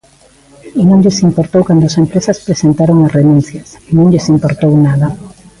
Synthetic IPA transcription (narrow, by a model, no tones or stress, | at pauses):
inõŋʎesimpoɾt̪owkand̪oasempɾesɐspɾesent̪aɾoŋasrenũn̟θjɐsnõŋʎɪsimpoɾt̪ownaðɐ